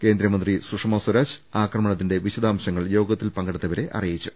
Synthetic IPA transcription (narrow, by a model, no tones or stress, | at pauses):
ke̞ːnd̪ɾɐmɐnd̪risuʂɐmosɐɾaːɕaːkrɐmɐɳɐt̪̬ːinde̞ʋiɕɐd̪ʱaːmɕɐŋːɐɭjo̞ːɡɐt̪ːilpɐŋɡɐɽɐt̪ːɐʋɐɾe̞ʔɐ̰rijit͡ɕːu